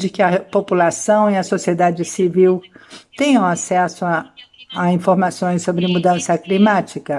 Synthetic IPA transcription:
d͡ʒɪkɪɐpopulasɐ̃w̃iɐsosied̪ad͡ʒɪsiviwt̪ẽjɐ̃w̃asɛsʊaaĩfoɾmasõj̃ssobɾɪmud̪ɐ̃sɐklimat͡ʃikɐ

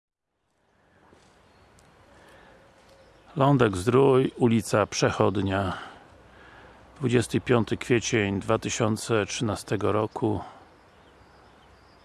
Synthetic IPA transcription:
lɔnd̪ɛɡzd̪ɾujulʲit̪sapʂɛxɔd̪ɲa | d̪̥vud͡ʑɛst̪ɘpʲjɔnt̪ɘkfʲjet͡ɕɛɲd̪vat̪ɘɕɔnt̪sɛtʂɘnast̪ɛɡɔɾɔkʰu

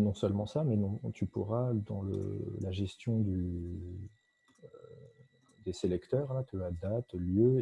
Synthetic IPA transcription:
nɔ̃sœlmɑ̃samɛnɔ̃t̪ypuʁad̪ɑ̃lə̰laʒɛst̪jɔ̃d̪y | d̪eselɛkt̪œːʁlat̪yad̪at̪ljø

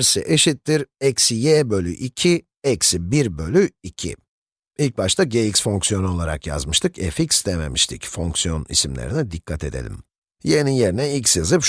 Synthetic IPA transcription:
ɾsiʔeʃit̪ːiɾɛcsijebølʲy̰ʔicʰi | ɛcsibiɾbø̞lʲyicʰḭ | ilʲc̚baʃt̪ʰaɟejiksfo̞ŋksijo̞nuo̞lˠaɾa̰kja̰zmɯʃt̪ʰɯkɛficsd̪eme̞̰miʃt̪ʰicfoŋksijo̞nḭsimlʲḛɾinɛd̪ikʰːat̪ʰe̞̰d̪e̞̰lʲḭm | jeninje̞ɾinɛilʲcʲsjazɯpʃ

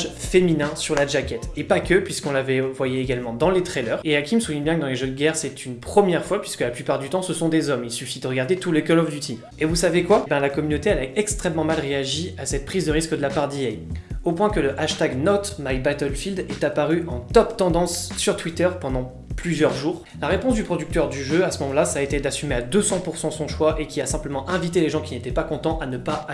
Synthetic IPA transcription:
ʒfeminɛ̃syʁlad͡ʒakʲɛt̪epakʲəpɥiskɔ̃lavɛvwajɛeɡalmɑ̃d̪ɑ̃let̪χɛlœːʁeakʲiməsuvjɛ̃bjɛ̃kəd̪ɑ̃leʒød̪əɡʲɛʁsɛt̪ʰynpχəmjɛʁfwapɥiskəlaplypaʁd̪yt̪ɑ̃səsɔ̃d̪ezɔmilsyfid̪əʁəɡaʁd̪et̪ulekɔlɔfd̪yt̪ʰim | evusavekwabɛ̃lakɔmynot̪eɛlaɛkst̪χɛmːɑ̃malʁeaʒiasɛt̪̚pχizd̪əʁiskd̪əlapaʁd̪iɛjopwɛ̃kələʔaʃt̪aɡnɔt̪majbat̪ɛlfild̪ɛt̪apaʁyʔɑ̃t̪ɔpt̪ɑ̃d̪ɑ̃sːyʁt̪wit̪œʁpɑ̃d̪ɑ̃ | plyzjœʁʒuːʁ | laʁepɔ̃sd̪ypχɔd̪yk̚t̪œʁd̪yʒøasəmɔmɑ̃lasaːet̪ed̪asymead̪øsɑ̃puʁsɑ̃sɔ̃ʃwaʔekʲiasɛ̃pləmɑ̃ʔɛ̃vit̪eleʒɑ̃kʲinet̪ɛpakɔ̃t̪ɑ̃ʔanəpa

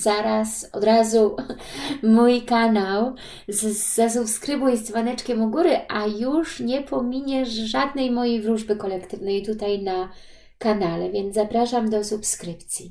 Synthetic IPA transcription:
zaɾasɔ̰d̪ɾazu | mujkanaw | zː | as̬upskɾɘbujɛst̪zvanɛt͡ʂkʲɛmuɡuɾɘʔajuʂɲɛpʰɔmʲiɲɛʂʐad̪nɛjmɔjejvɾuʐbɘkɔlɛkt̪ɘvnɛjt̪ut̪ajna | kanalɛvʲjɛnd̪zapɾaʂamd̪ɔsupskɾɘpt̪sʲji

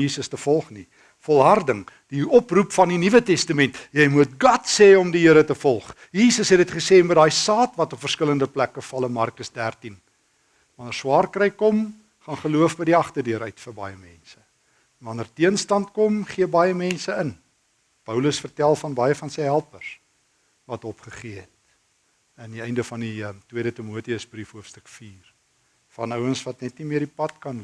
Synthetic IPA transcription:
jiːsəstəfɔlˠχni | fɔlˠɦɐrdəŋd̥iɔprupfɐndinivətɛstəmɛntjɛjmut̚ɡɐtseːɔmdiɦiəɾətəfɔlˠχ | jiːsəsɦɛdətχəseːnmədɑːjsɑːtvɐtɔpfərskələndəplækəfɐlənmɐrkəsdærtin | vɐnərswɑːrkrɛjkɔm | χɑnχəluəfbəjdiɐχtərdiəɾœɥtfərbɐ̰jəmɛnsə | vɐnərtiənstɐntkɔmχiəbɐjəmɛnsəən | pəwləsfərtælˠfɐnbɐjəfɐnsəjɦælˠpərs | vɐtɔpχəχiəɦɛt̚ | əndiɛjndəfɐndiətwiədətimuətiəsbrifɦuəfstəkfiːr | fɐnœwənsvɐtnɛtnimiədipɐtkɐn

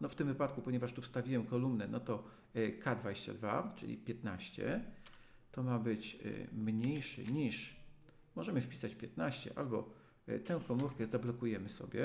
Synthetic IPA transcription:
nɔft̪ɘmvɘpat̪̚kupɔɲɛvaʂt̪ufst̪avʲiwɛmkɔlumnɛnɔt̪ɔ | kad̪vad͡ʑeɕt͡ɕa̰d̪va̰t͡ʂɘ̰lʲḭpʲjɛt̪naɕt͡ɕɛ̰ | t̪ɔmabɘt͡ɕmɲejʂɘ̰ɲiʂ | mɔʐɛmɘfpʲi̥sat͡ɕpʲjɛt̪naɕt͡ɕɛ̰ʔa̰lbɔ̰ | t̪ɛ̃w̃kɔmuɾkɛzablɔkujɛmɘsɔ̰bʲjɛ̰

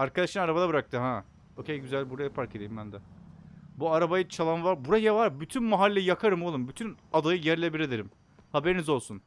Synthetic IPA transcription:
aɾkad̪aʃɯnaɾabad̪ˠabɯɾak̚t̪ʰɯɦa | ocʰʲejɟyzælʲbuɾajapʰaɾced̪eimbænd̪ɛ | buaɾabajɯt͡ʃʰalˠanvaɾbuɾajavaɾbyt̪ʰynmaɦalʲːejijakʰaɾɯmolˠɯmbyt̪ʰynad̪ajɯjɛɾlʲebiɾed̪eɾim | habeɾinizo̞lˠsun

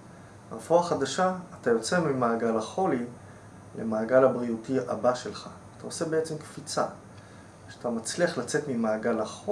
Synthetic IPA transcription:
afoaχadaʃaːtajo̞t͡semimaːɡalaχo̞li | lḛmaːɡalabʁijutia̰baʃe̞lχaːtʰao̞se̞be̞et͡semkfit͡sa̰ | ʃeatamat͡sliaχlat͡se̞tmimaːɡalaχo

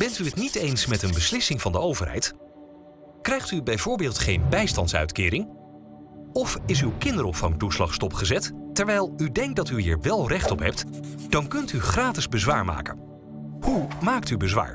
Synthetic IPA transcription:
b̥ɛntyɦətnitejnsmɛtənbəslɪsɪŋvɑndəowvəɹɦɛ̰jt | krɛjχtybɛjvʊːɹbɪːlˠtχejnbɛjstɑntsœ̰ɥtkɪːɾɪŋ | ɔfɪsywkɪndəɾɔpfɑŋtuslɑχstɔpχəzɛttɛɹʋɛjlˠydɛŋk̚dɑtyɦiːɹʋɛlˠrɛχtɔpɦɛp̚td̥ɑnkɵntyχraːtɪzbəzʋaːɹma̰ːkə̰n | humaːk̚tybəzʋa̰ːɹ

